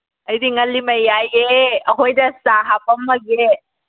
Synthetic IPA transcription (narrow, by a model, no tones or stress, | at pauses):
əjdiŋɐlːimɐjajeəɦojdɐsaɦapɐmːɐɡe